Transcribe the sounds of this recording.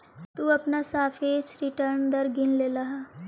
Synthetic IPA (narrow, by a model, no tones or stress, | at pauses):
t̪uːɐpnasaːfʰeːt͡ʃɾɪʈəɾnd̪ɐɾɡɪnlelɐɦaː